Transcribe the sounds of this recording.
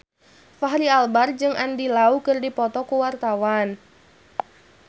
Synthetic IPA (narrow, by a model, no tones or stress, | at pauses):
faɦɾialbard͡ʒɨŋandilaukɨrdipɔt̪ɔkuwart̪awan